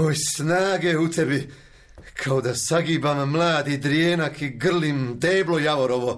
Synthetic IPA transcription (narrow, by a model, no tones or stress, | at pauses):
ojsnaːɡɛut̪ʰɛbi | kʰawd̪asaɡibamːlˠaːd̪id̪ɾiɛːnakʰiɡr̩limd̪eːblˠɔjavɔɾɔvɔ